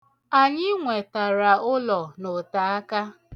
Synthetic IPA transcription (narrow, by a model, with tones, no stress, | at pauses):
a˨ɲɪ˦ŋʷe˨ta˨ɾa˨ʊ˦lɔ˨nʊ˨ta˨a˦ka˦